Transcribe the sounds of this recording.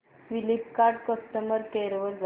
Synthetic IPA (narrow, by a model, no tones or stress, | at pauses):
filip̚kaɾʈkəst̪əməɾkeɾʋəɾd͡z